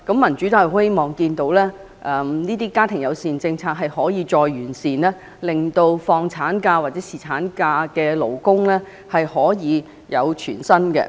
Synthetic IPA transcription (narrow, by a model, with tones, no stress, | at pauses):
kɐ˨˥mːɐ˨˩nt͡ʃy˨˥t̪aː˧˨we˥mɔː˨ŋkiː˧nt̪o˨˥wlɛː˥ | ʔɛː˨˧mniː˥t̪iː˥kaː˥t̪ʰɪ˨˩ŋjɐ˨˧wsiː˨˩nt͡sɪ˧ŋt͡sʰaː˧k̚ɦɐ˨jhɔː˨˥jiː˨˧t͡sɔː˧jɥyː˨˩nsiː˨˩nɛː˥ | lɪ˨ŋt̪o˧wfɔː˧ŋt͡sʰaː˨˥nkaː˧waː˨˩t̚t͡sɛː˨˦˥siː˨t͡sʰaː˨˥nkaː˧kɛː˧lo̰˨˧wkʊ˥ŋlɛː˥ | hɐ˨jhɔː˨˥jiː˨˧ | jɐ˨˧wt͡ʃʰyː˨˩nsɐ˥nkɛ̰˧